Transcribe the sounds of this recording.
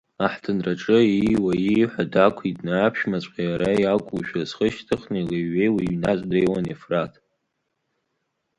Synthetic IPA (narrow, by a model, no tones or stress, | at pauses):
aħtʰɨnraʈ͡ʂʼɨiwaiħʷadakʷʰitʼnaːpʰʃmat͡sʷʼqʲʼajaɾajakʷʼuʃᶣazχəʃtʰɨχnɨjleːejwiɥnazʷʼdejwanefratʰ